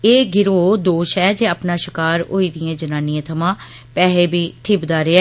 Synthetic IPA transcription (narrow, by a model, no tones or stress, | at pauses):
eːɡɪɾoːd̪oːʃɛːd͡ʒeːaːpnaːʃɪkaːɾo̰ːiːd̪ɪjãːd͡ʒənaːniãːt̪ʰəmãː | pɛːleːbiːʈ̪ʰɪːbd̪aːɾeɛː